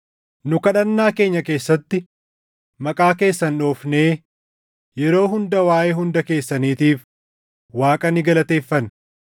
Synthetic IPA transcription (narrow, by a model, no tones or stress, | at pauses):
nʊkɐᶑɐnːaːke̞ːɲːɐke̞ːsːɐt̪ːɪ | mɐkʼaːke̞ːsːɐnᶑoːfne̞ː | jɛɾo̞ːɦʊnd̪ɐwaːʔeːɦʊnd̪ɐke̞ːsːɐniːt̪iːf | waːkʼɐnɪɡɐlɐt̪e̞ːfːɐn